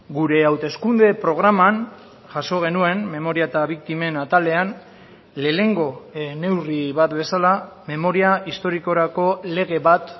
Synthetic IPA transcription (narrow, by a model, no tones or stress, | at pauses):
ɡuɾe̞awt̪e̞skund̪e̞pɾo̞ɣ̞ɾaman | ʝaso̞ɣ̞e̞nue̞nme̞mo̞ɾiaet̪aβik̚t̪ime̞nat̪ale̞an | le̞ːne̞ŋɡo̞ne̞wriβat̪be̞salame̞mo̞ɾiaist̪o̞ɾiko̞ɾako̞le̞ɣ̞e̞βat̪